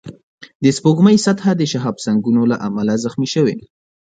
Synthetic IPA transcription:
d̪əspoɡməjsat̪had̪əʃaɦɑbsaŋɡunolaʔamalazaxmiʃəwe

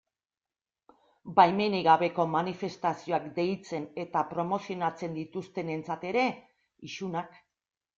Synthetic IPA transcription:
bajme̞niɣaβe̞ko̞manife̞st̪asio̞akd̪e̞jt͡se̞ne̞t̪apɾo̞mo̞sio̞nat͡se̞nd̪it̪ust̪e̞ne̞nt͡sat̪e̞ɾe̞ | iʃunak

